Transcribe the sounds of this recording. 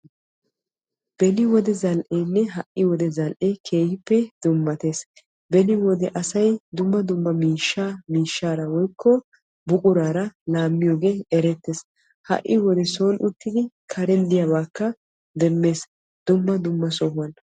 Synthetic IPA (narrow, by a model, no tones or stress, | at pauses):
b̥ɛnɪwɔd̪ɛzɐlʔeːnːɛɦɐʔɪwɔd̪ɛzɐlʔeːkʰe̞ːhɪpːɛd̪ʊmːɐt̪e̞ːs | bɛnɪwɔd̪ɛʔɐsɐjd̪ʊmːɐd̪ʊmːɐmiːʃːamiːʃːaːɾɐwɔjkʰːɔ | bʊkʼʊɾaːɾɐlaːmːɪjoːɡe̞ːɛɾɛt̪ːeːs | hɐ̰ʔːɪ̰wɔd̪ɛso̞ːnʔʊt̪ːɪd̪ɪ | kʰɐɾɛnd̪ɪjabaːkːɐ | d̪ɛmːe̞ːs | d̪ʊmːɐd̪ʊmːɐsɔhʊɐn